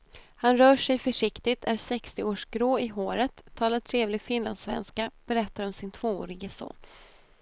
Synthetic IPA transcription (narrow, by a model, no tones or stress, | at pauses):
hanɾœːʂɛjfœʂɪkt̪ɪt̪ʰæɾsɛkst̪ɪoːʂɡɾoːɪɦoːɾət̪ʰːɑːlat̪ʰɾeːvlɪɡfɪnland̪svɛ̰nskab̥ɛɾɛt̪ːaɾɔmsɪnt̪ʰvoːo̰ːɾɪɡəso̰ːn